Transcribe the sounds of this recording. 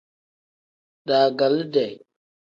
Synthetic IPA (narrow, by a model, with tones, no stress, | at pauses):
ɗa˨ɡa˨lda˨j